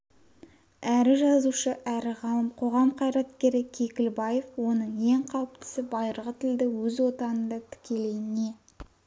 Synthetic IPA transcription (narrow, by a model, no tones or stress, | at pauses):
æɾɪʒɑzuʃəʔæɾɪʁɑlˠəmqʰo̞ʁɑmqʰɑjɾɑt̪kʲe̞ɾɪkʲʰe̞kʲɪlbɑje̞fwo̞nəɴje̞ŋqʰɑwəpt̪ɪ̥sɪbɑjɾəʁət̪ʰɪld̪ɪwɵzwo̞t̪ɑnənd̪ɑt̪ʰɪ̥kʲe̞le̞jɪne̞